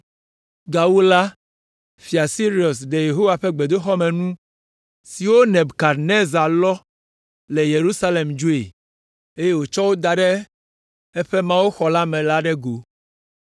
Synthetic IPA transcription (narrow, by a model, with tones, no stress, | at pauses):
ɡa˨wu˦la˦ | fi˨a˨si˦ɾi˦˨ɔ˨sɖe˨je˨ɦo˦wa˨ɸɛ˦ɡ͡be˨d̪o˦xɔ˦mɛ̃˨nũ˦ | si˨wo˦nɛ̃˨bka˨ɾne˦za˨lɔ˦ | lɛ˨je˨ɾu˦sa˦le˨md͡ʒu˦ḛ˨ | e˦je˦wo˨t͡ʃɔ˦wo˦d̪a˨ɖɛ˦ | ɛ˦ɸɛ˦mã˦wu˦xɔ˨la˦mɛ̃˨la˦ɖɛ˦ɡo˨